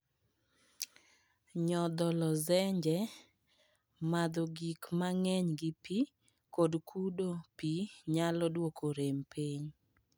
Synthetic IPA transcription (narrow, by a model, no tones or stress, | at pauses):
ɲɔd̪ɔlɔzɛɲd͡ʒɛ | mad̪ɔɡikmaŋɛɲɡɪpi | kodkʰudopiɲalɔdwokʰoɾempʰiɲ